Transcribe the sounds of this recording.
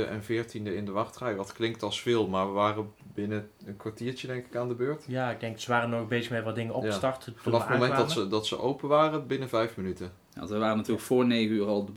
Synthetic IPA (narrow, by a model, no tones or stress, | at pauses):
əʔɛ̰nvɪːɹtindəɪndəʋɑχtrɛjʋɑtklɪŋk̚tɑlˠsfɪːlˠmaːɹʋəʋaːrəbɪnəənkʋaɹtiːɹt͡ʃədɛŋkɪ̥kaːndəbøːɹtjaːɪɡ̚dɛŋksəʋaːrənɔɣbejzəxmɛtʋɑtdɪŋəɔpjstɑrtəfnɑfamomɛnːdɑsədɑtsə̰ʔowpəʋaːrəbɪnəvɛjfmənytə | ja̰ntʋəʋaːrənatyːləkfʊːɹnejɣəyːrɑlˠdə